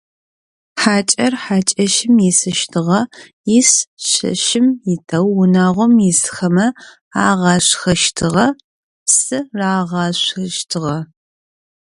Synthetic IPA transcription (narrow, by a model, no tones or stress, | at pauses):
ħaːt͡ʃʼɐrħaːt͡ʃʼɐʃɪmjisɨʃtʰɨʁɐjɪsɕɐ̰ʃɪmjɪtʰɐwːʊnaːʁʷɔmjɪsxɐmɐ | a̰ːʁɑɕxɐʃtʰɨʁɐ | psɨraːʁɑːɕʷxɐʃtʰɨʁɐ